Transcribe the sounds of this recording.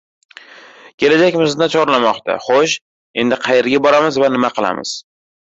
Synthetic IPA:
kʲʰe̞lad͡ʒakʲmɪzd̪at͡ʃʰɒʁɾlamɒqt̪ʰa̰χoʃ | e̞nd̪ɪqʰɑjeɾɡʲabɒɾamɪzvanɪmaqʰɨlˠa̰mɪ̰z̥

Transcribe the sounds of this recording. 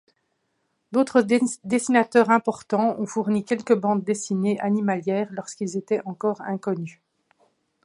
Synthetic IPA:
d̪ot̪χəd̪esinat̪œːʁɛ̃pɔʁt̪ɑ̃ɔ̃fuʁnikʲɛlkəbɑ̃d̪ːesineʔanimaljɛːʁlɔʁskilzet̪ɛʔɑ̃kɔːʁɛ̰̃kɔny

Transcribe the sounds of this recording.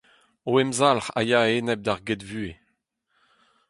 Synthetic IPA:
oɛmzalʁa̰jaeːnɛb̚d̪aʁɡedvyːe

